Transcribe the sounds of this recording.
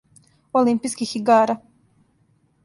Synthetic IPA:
olimpiskixiɡaːɾa

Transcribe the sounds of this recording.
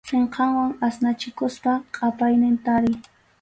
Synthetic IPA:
seɴqʰɑŋwaŋasnat͡ʃɪkʊspaqʼɑpajnɪnt̪aɾɪ

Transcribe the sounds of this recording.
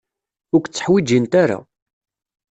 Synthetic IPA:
ʊɾkʷːt͡sːə̥ħwid͡ʒint̪aɾa̰

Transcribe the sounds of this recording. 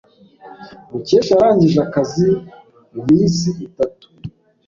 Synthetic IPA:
muce̞ːʃaɾaːɲɟiʒakazi | mumiːnsiitatu̥

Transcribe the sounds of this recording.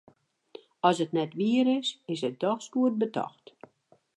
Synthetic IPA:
ɔsətnɛtʋiəɾɪsɪsət̚dɔxskuət̚bətʰɔ̰xt

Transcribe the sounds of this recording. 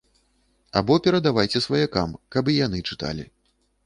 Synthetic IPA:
a̰bɔpʲɛɾɐd̪avajt͡sʲɛsvɐjaka̰mkɐbijan̪ɨt͡ʂɨt̪a̰lʲi

